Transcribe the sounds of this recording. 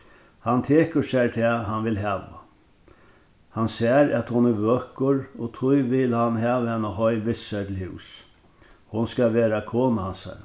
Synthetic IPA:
hant̪ʰeːkəsæt̪ʰɛːɦanʋɪlɦɛːʋa̰ | hansɛːɾæt̪hʊnɪɾʋøːkʊɹot̪ʰʊjʋɪlhanɦæːʋəhɛnːaɦɔjɾʋɪsœt̪ʰɪlhʉ̰ːs | hʊnskaʋeːɾakʰoːnahansa̰ɾ

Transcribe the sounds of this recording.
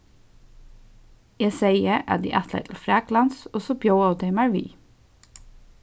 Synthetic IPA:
jeːseɪəʔæ̰d̪ḭːʔæt̪læ̰ɪt̪ʰl̩fɾæɡlɑnsɔsɔbjoʊɑʊd̪eɪmæɹʋḭː

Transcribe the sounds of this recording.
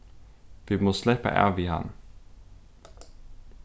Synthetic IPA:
ʋimɔslepə̰ʔæ̰ʋihɑ̰n

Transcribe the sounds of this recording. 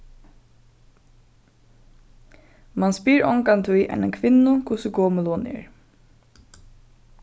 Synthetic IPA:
manspiːɹɔŋkant̪ʰʊjʔɛ̰nɛnkʰʋɪnːʊkʰʊsəɡɔːməlɔnɛ̰ːɹ

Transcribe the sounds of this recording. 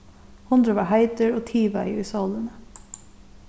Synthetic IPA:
hʊnd̪ɾəʋɑːhæɪt̪əɹoːt̪ʰiːʋæ̰ɪʉsɑlənə

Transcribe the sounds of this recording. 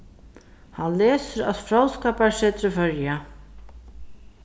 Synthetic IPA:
hanlɛːsʏɾa̰ðfɾaw̪skaːpaɾsɛːt̪ɾʏfœɾja

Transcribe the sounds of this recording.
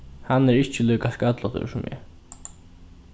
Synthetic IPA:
hanːɛɾɪht͡ʃəluːkaskœt̪lɔt̪ə̰sʊmjɛ̰

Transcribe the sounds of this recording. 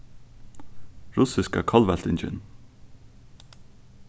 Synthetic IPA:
ɹʊsɪskakʰɔlvɛl̥t̪ɪnt͡ʃɪ̰n

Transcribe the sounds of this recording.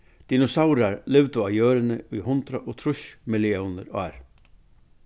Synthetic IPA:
d̪̥inɔsawɾaɾlɪʋt̪ʊajøːɾɪnɪʔʊjhʊnt̪ɾaʔot̪ʰɾʊʃmɪlɪɔːnə̰ɾɑ̰ːɾ

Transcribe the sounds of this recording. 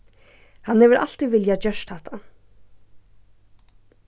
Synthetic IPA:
hanhɛːʋəɾʔa̰l̥t̪iʋɪljad͡ʒœʃt̪ʰat̪ʰa

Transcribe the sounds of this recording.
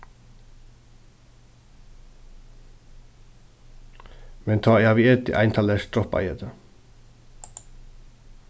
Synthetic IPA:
mɛnt̪ʰɑːjɑːʋiɛt̪ɪ̰ʔæ̰ɪnt̪ʰɑːləst̪ɾɔpɑ̰jət̪ə

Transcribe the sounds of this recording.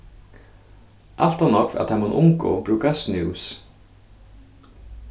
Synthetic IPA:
ʔa̰l̥t̪anɔkfa̰t̪ʰamunʔʊŋkʊ̰ɔ̰pɾʉːkasniws

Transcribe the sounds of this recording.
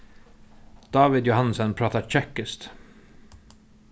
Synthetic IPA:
d̪̥ɑːʋɪd̪jʊhɑnsənpʰɾɑːt̪ɑt͡ʃɛkəst̪

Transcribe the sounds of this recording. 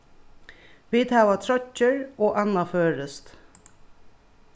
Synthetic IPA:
ʋiːd̪ɑːʋat̪ʰɾœcːəɹoːʔɑnɑføːɹəst̪

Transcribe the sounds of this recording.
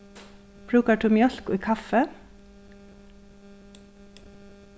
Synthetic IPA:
pʰɾʉːkɑʈʰʉːmjœlkʊiːkʰɑfə

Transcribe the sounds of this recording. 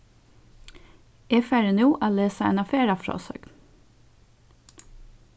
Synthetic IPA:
ɛfæɹɛnuːʔæːleːsɑɛ̰nɑfeːɾɑfɹo̰ːsø̰ːɡ

